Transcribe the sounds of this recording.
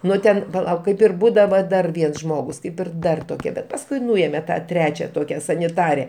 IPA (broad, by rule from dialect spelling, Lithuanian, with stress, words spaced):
ˈnʊ tʲɛn pɐˈlˠɐʊk ˈkɐɪp ɪr ˈbuːdɐʋɐ ˈdɐr ˈʋʲiɛns ˈʒmoːɡʊs ˈkɐɪp ɪr ˈdɐr toːˈkʲiɛ ˈbʲɛt pɐsˈkʊɪ ˈnʊeːmʲɛ ˈtɑː ˈtʲrʲæːt͡ʃʲɛ ˈtoːkʲɛ sɐnʲɪˈtɑːrʲɛ